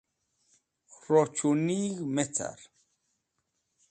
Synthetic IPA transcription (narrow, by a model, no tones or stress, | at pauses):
ɾɔt͡ʃʰuniɣmɛt͡sʰa̰ɾ